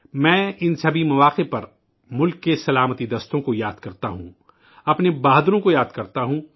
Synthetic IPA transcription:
mɛ̃ːɪnsɐbʱimɐʋaːqepɐɾ | mʊlkːesɐlaːmət̪id̪ɐst̪õkojaːd̪kɐɾt̪aɦṵ̃ | ɐpnebaːɦd̪ɾõkojaːd̪kɐɾt̪aɦũː

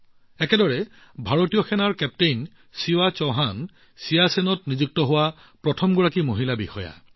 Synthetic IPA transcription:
ɛkɛdɔɹɛ | bʱaɹotijɔxʰɛnaɹkɛp̚tejn | siwat͡ʃɔɦan | sijasenɔtnizuk̚tɔɦʊwa | pɹɔtʰɔmɡɔɹakimoɦilabixɔja̰

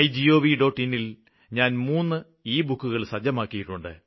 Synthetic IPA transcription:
jd͡ʑio̞ːʋiɖo̞ːʈːinːil | ɲaːnmuːnːɨ | iːbukːuɣɐɭsɐd͡ʑɐmaːkːijiʈːuɳɖɨ̰

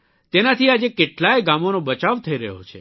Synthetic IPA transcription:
t̪enat̪ʰiad͡ʒekeʈlajɡamonobət͡ʃaʋt̪ʰəiɾə̰ɦo̰t͡ʃʰḛ

